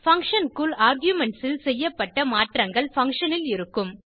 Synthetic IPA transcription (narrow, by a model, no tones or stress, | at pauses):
fɐŋkʂɐnkulaːɾɡjʊmɛɳʈsɪlsɛjːɐpːɐʈːɐmaːʈrɐŋɡɐɭfɐŋkʂɐnɪlɪɾɯkːɯm